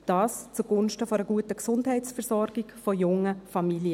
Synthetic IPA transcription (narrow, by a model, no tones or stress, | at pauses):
d̥ɑːst͡suɡ̥ʊnʃtəfoɔɾəɡuətəksʊndhɛɪtsfɛɾsɔɾɡ̥ikfojʊŋːəfɑmiliə